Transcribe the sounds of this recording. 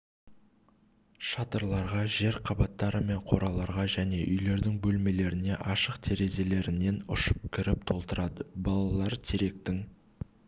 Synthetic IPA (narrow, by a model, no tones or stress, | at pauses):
ʃɑt̪əɾlˠɑɾʁɑʒe̞ɾqʰɑbɑt̪ːɑɾəme̞ɴqʰo̞ɾɑlˠɑɾʁɑʒæne̞ʔʏjle̞ɾd̪ɪŋbɵlme̞le̞ɾɪne̞ʔɑʃəqt̪ʰe̞ɾe̞ze̞le̞ɾɪne̞nʊ̰ʃə̥p̚kʲʰɪɾɪp̚t̪ʰo̞lˠt̪əɾɑd̪əbɑlˠɑlˠɑɾt̪ʰeɾe̞k̚t̪ɪŋ